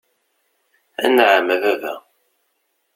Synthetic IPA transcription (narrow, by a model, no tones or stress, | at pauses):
æ̰nʕməðævæ